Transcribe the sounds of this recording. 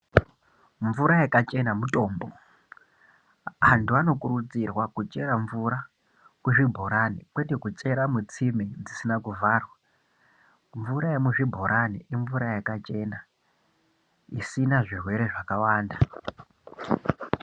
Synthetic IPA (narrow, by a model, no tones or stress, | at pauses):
ɱvuɾajakat͡ʃe̞namuto̞ːmbo̞ | antuano̞kurud͡zirwakut͡ʃʼe̞ɾaɱvuɾa | kuʐibʱo̞ɾanikwe̞tekut͡ʃʼe̞ɾamut͡simed͡zisinakuvʱaːrwa | ɱvuɾaemuʐibʱo̞ɾʔaniʔiɱvuɾajakat͡ʃe̞ːna | isinaʐirwe̞ɾe̞ʐakawaːnda